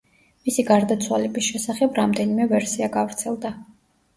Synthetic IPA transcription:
misiɡaɾd̪at̪sʰwalɛbisʃɛsaχɛbɾamd̪ɛnimɛvɛɾsiaɡavɾt̪sʰɛlˠd̪a

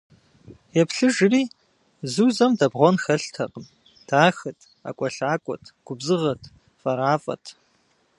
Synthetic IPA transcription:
jɛpɬɨʒɨriː | zɨzɐmdɐbʁʷɔnxɐɬtʰɐ̰qʼəm | d̥ʰaːxɨtʰ | a̰kʷʼɔɬaːkʷʼɔ̰tʰɡ̥ʷʊbzɨʁɐtʰ | fʼɐɾaːfʼɐ̰tʰ

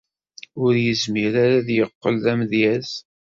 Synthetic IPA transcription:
ʊɾjəzmiɾaɾaðjəqːə̰lðæmðjæz

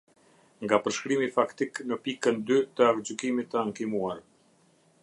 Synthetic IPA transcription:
ŋɡapəɾʃkɾimifakt̪iknəpikənd̪yt̪əakd͡ʑykimit̪əaŋkimuaɾ

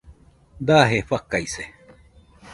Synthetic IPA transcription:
d̪aɦefakaise

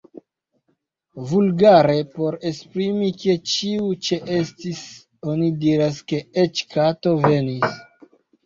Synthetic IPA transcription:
vulɡaɾe̞po̞ɾe̞spɾimiket͡ʃiut͡ʃe̞ʔestis | o̞nidiɾaske̞et͡ʃkato̞ve̞nis

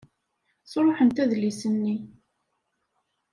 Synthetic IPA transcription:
sɾˤoħənt̪æðlisənːi

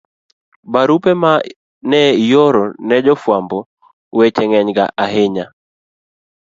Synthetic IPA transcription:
baɾupɛma | nɛjoɾɔnɛd͡ʒɔfwambɔ | wɛt͡ʃɛŋɛɲɡa̰ʔaɦeɲa

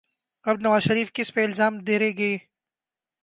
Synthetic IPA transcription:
ɐbnɐʋaːzʃɐɾiːfkɪspeɪlzaːmd̪eːɾeɡɐeː

